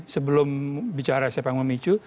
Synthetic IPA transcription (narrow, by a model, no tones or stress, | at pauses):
səbəlʊmbit͡ʃaɾasiapaŋməmit͡ʃu